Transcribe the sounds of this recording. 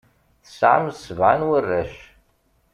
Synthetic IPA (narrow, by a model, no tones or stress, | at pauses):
θə̥sʕa̰msəvʕanwərːæʃ